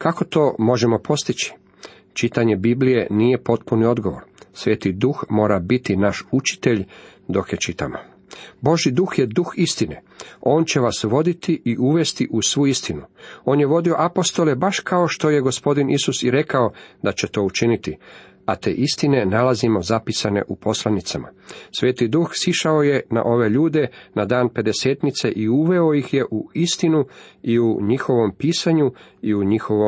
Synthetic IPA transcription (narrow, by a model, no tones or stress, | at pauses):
kako̞t̪o̞ːmo̞ʒe̞mo̞pʰo̞st̪it͡ɕi̥ | t͡ʃit̪aɲe̞biblije̞niːje̞po̞t̪punio̞d̪ɡo̞ʋo̞̰ɾsʋe̞ːt̪id̪uxmo̞ːɾabit̪inaʃut͡ʃi̥t̪e̞ʎ | d̪o̞kjet͡ʃit̪a̰mo̰ | bo̞ʒjid̪uxje̞d̪uxist̪ine̞̰ | o̞ːnt͡ɕe̞ʋasʋo̞d̪it̪iʔiʔuʋe̞st̪iʔusʋuist̪inuo̞ːnje̞ʋo̞d̪io̞ʔapo̞st̪o̞le̞baʃkʰaoʃt̪o̞je̞ɡo̞spo̞d̪inisusiɾe̞kao̞d̪at͡ɕe̞t̪o̞ːut͡ʃinit̪i | at̪e̞̰ːʔist̪ine̞nalazimo̞zapisane̞̰ʔupo̞slˠanit̪sama̰sʋe̞ːt̪id̪uxsiʃao̞je̞na̰ʔo̞ʋe̞ʎuːd̪e̞nad̪aːnpe̞d̪e̞se̞ːt̪nit̪se̞ʔiuʋe̞o̞jixje̞ʔuist̪inuiuɲixo̞ʋo̞mpiːsaɲuiuɲixo̞ʋo